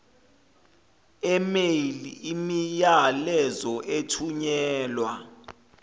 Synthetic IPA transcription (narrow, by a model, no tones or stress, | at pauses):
ɛmeliimijalɛzɔʔetʰuɲɛːlwa